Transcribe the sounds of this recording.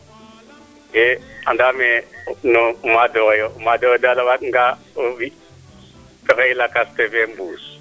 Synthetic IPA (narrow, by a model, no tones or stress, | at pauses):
ea̰ndamenumadoɣejoumadoɣedalawakŋɡa | vi | peɣeilakastevembuːs